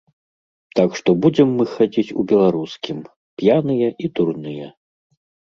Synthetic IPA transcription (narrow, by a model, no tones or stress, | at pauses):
t̪akʂt̪ɔbud͡zʲɛmːɨxad͡zʲit͡sʲṵbʲɛlˠaɾuskʲim | pjanɨjɐʔid̪urnɨjɛ